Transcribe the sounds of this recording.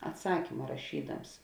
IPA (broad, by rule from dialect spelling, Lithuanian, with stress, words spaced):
ɐtˈsɑːkʲɪmɐ rɐˈʃʲiːdɐms